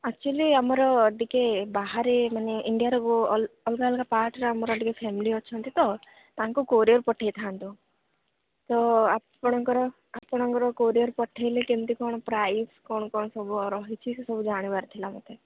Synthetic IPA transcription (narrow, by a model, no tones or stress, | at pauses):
ak̚t͡ʃualiamɔɾɔːɖikebaɦaɾemaneʔiɳɖijaɾɔkuɔlkalkapaʈɾaamɔɾɔɖikepʰemiliɦɔt͡ʃʰɔnt̪it̪ɔ | t̪aŋkukoɾijɔɾpɔʈʰːejt̪ʰant̪u | t̪ɔa | ɔɽ̃ɔŋkɔɾɔ | apɔɽ̃ɔŋkɔɾɔkoɾijɔɾpɔʈʰːejliʈimt̪ikɔɳ̃ɔpɾajskɔɳ̃ɔkɔɳ̃ɔsɔbuɔɾɔɦit͡ʃʰissɔbud͡ʒaɽ̃ibaɾt̪ʰilamɔt̪e